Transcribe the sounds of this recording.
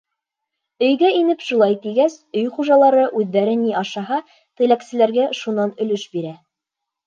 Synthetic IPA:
ɵ̆jɡæinɘpʃŭlˠɑjt̪iɡæsɵjχuʒɑlˠɑɾɤʔʉðːæɾɘniɑʃɑɦɑ | t̪ɘ̆læksɘ̆læɾɡæʃunɑnɵ̆lɵʃbiɾæ

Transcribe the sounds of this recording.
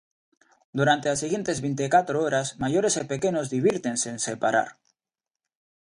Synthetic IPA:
d̪uɾant̪elasiɣjent̪ezβejnt̪ekat̪ɾooɾasmaʝoɾesepekenozðiβiɾt̪enseːnsepaɾa̰ɾ

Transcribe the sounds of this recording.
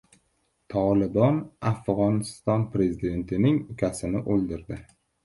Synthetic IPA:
t̪ʰɒlˠɪbɒnafʁɒnɪst̪ɒnpɾe̞zɪd̪e̞nt̪ʰɪnɪŋʊkʲʰasɪnɪʔolˠd̪ɪɾd̪ɪ

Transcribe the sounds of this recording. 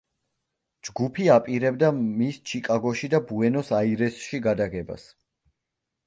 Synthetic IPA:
d͡ʒɡupʰiapʼiɾɛbd̪amist͡ʃʰikʼaɡɔʃid̪abuɛnɔsaiɾɛsʃiɡad̪aɡɛba̰s

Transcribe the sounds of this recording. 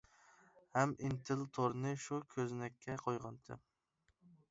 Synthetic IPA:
hɛmint̪ʰɪlt̪ʰoɾnɨʃukʲʰøznɛkʲʰːɛqʰojʁɑnd̪ʰɨ̰

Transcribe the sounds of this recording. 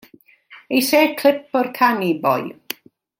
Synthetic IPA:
ejseːkʰl̥ˠɪp̚ʰɔrkʰanibɔ̰j

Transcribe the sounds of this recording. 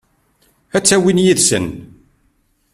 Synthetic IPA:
æt͡sːæwinjiðsə̰n

